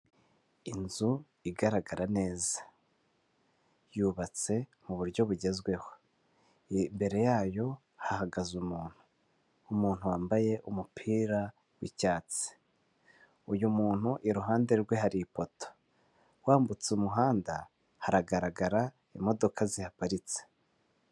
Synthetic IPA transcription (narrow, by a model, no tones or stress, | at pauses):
inzu | iɡaɾaɡaɾane̞ːzḁ | juβat͡se̞muβuɾjo̞βuɟe̞zɡwe̞ho̞ | mbe̞ɾe̞jaːjo̞ | hahaɡazumuːn̥hu̥ː | muːn̥huwaːmbaje̞ʔumupʰiːɾa | wḭcaːt͡si̥ | ujumuːn̥huʔiɾuɦaːnde̞ɾɡwe̞ɦaɾipo̞to̥ | waːmbut͡sumuɦaːnda | haɾaɡaɾaɡaɾa | imo̞do̞kʰazihapaɾit͡se̥